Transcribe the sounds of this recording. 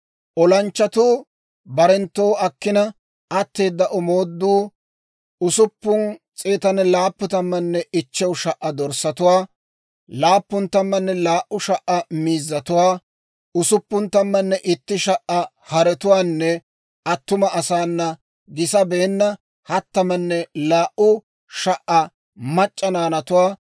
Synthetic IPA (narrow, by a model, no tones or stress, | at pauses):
ʔɔlɐnt͡ʃːɐt̪uː | bɐɾɛnt̪ːo̞ːɐkːɪnɐ | ɐt̪ːe̞ːd̪ːɐʔɔmoːd̪ːuː | ʊsʊpːʊnt͡sʼeːt̪ɐnːɛlaːpːʊt̪ɐmːɐnːɛʔɪt͡ʃːɛwʃɐʔːɐd̪ɔɾsːɐt̪ʊwaː | laːpːʊnt̪ɐmːɐnːɛlaːʔːʊʃɐʔɐmiːzːɐt̪ʊwaː | ʊsʊpːʊnt̪ɐmːɐnːɛʔɪt̪ːɪʃɐʔɐ | hɐɾɛt̪ʊwaːnːɛ | ɐt̪ːʊmɐʔɐsaːnːɐ | ɡɪsɐbe̞ːnːɐ | hɐt̪ːɐmɐnːɛlaːʔʊ | ʃɐʔɐ | mɐt͡ʃʼːɐnaːnɐt̪ʊwaː